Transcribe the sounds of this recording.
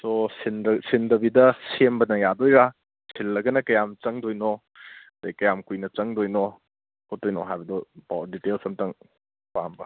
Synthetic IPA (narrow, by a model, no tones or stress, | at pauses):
sosinsindɐbidɐsembɐnɐjadojɾa | sʰilːɐɡɐnɐkɐjamt͡ʃɐŋdojnɔ | ɐdɐjkɐjamkujnɐt͡ʃɐŋdojnɔ | hot̚dojnɔɦajbɐdɔba̰wditelsɐmtɐŋ | pambɐ